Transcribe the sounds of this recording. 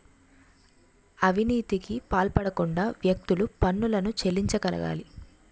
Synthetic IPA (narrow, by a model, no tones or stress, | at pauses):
ɐʋʱiniːt̪ikipaːlpɐɽɐkuɳɖaːʋjɐk̚t̪ulupɐnːulɐnut͡ʃe̞lːiɲt͡ʃɐkɐlɐ̰ɡa̰ːli